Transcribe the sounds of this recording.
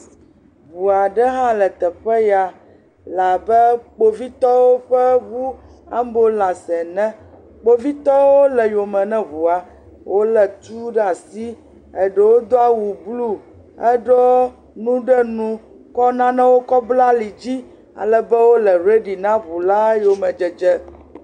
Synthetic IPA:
βu˨a˨ɖɛ˦ɦã˦lɛ˨t̪ɛ˨ɸɛ˦ja˨ | la˨bɛ˦k͡po˦vi˦t̪ɔ˦wo˦ɸɛ˦βu˦ | a̰˦m˦bo˦lã˨sɛ˨nɛ̃˦ | k͡po˦vi˦t̪ɔ˦wo˦lɛ˨jo˨mɛ̃˨nɛ̃˦βu˨a˨ | wʔo˦lɛ˨t̪u˦ɖa˨si˦ | ɛ˨ɖɛ˦˨wo˦d̪o˦a˦wu˨blu˦ | ɛ˦ɖɔ˦ | nũ˦ɖɛ˦nũ˦ | kɔ˦nã˦nɛ̃˦wo˦kɔ˦bla˦li˨d͡ʑi˦ | a̰˨lɛ˨bɛ˦wo˦lɛ˨ɾe˦ɖi˨nã˦βu˨la˦jo˨mɛ̃˨d͡ʒɛ˨d͡ʒɛ˦

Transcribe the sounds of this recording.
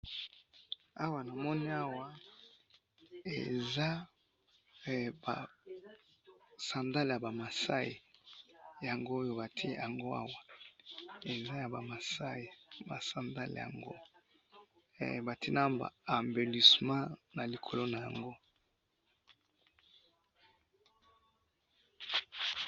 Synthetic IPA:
a˦wa˨na˨mɔ˦ni˦a˦wa˦ | ḛ˨za˦˨ | ba˨ | sã˨nda˦lja˨ba˨ma˨sa˦e˨ | ja˨ŋɡo˦jo˦ba˨tʰja˨ŋɡo˦a̰˦wa˨ | e˨za˦ja˨ba˨ma˨sa˦e˨ba˨sã˨nda̰˦lja̰˨ŋɡo̰˦˨ | ba˨tʰi˦na˦mba̰˨a˨mbe˨li˨smã˦na˨li˨kʰo˨lo˦na˨ja̰˨ŋɡo˦

